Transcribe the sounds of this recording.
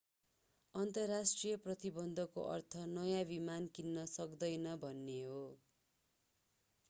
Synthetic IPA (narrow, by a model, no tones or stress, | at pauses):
ʌnt̪ʌrːasʈrijʌprʌt̪ibʌnd̪ʱʌko̰ʔʌ̰rt̪ʰʌnʌjãbimankinːʌsʌkd̪ʌjnʌbʱʌnːeɦo